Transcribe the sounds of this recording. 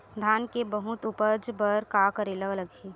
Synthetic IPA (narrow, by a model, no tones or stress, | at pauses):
d̪ʱaːnkebɐɦʊt̪upəd͡ʒbəɾkakəɾeləɡələɡɦiː